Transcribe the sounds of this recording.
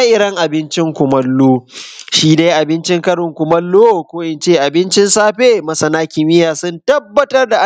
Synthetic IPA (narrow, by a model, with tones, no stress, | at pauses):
a˦ʔɪ˨ɾɐ˦ŋʔa˨bɪ˦nt͡ʃɪ˦ŋkʷʊ˨mɐ˦lːoː˦ʃiː˦de˦jʔa˨bɪ˦nt͡ʃɪ˦ŋkɐ˦ɽʊ˨ŋkʷʊ˨mɐ˦lːoː˦˨kʷoː˦ʔɪ˨nt͡ʃeː˦˨ʔa˨bɪ˦nt͡ʃɪ˦nsaː˦ɸeː˦mɐ˨sɐ˨naː˦kʲɪ˨mɪ˦jaː˨sʊ˦ntɐ˦bːɐ˦tɐ˦rda˨ʔa˦˨